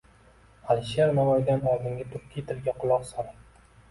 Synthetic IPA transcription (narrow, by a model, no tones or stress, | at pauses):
alɪʃeɾnavɒjd̪anɒlˠd̪ɪŋɡʲat̪ʰʊɾkʲʰːit̪ʰɪɾɡʲaqʰʊlˠɒqsɒɾa